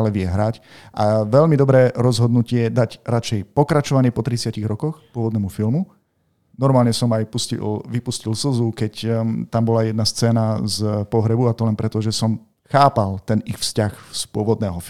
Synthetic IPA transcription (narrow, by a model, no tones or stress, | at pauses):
lɛʋɪɛɦɾac | ʔa̰ʋɛʎmid̪ɔbɾɛːɾɔzɦɔd̪nucɪɛjɛd̪acɾat͡ʃɛjpɔkɾat͡ʃɔʋaɲɪɛpɔt̪ɾit͡sɪaciɣɾɔkɔxpʊɔʋɔd̪nɛːmufilˠmu | nɔɾmaːlɲɛsɔmajpuscḭlʋipuscilsl̩zukɛct̪ambɔlajɛd̪̚nast͡sɛːnazpɔɦɾɛbuat̪ɔlɛnpɾɛt̪ɔʒɛsɔm | xaːpalˠt̪ɛnixfscaxspʊɔʋɔd̪nɛːɦɔ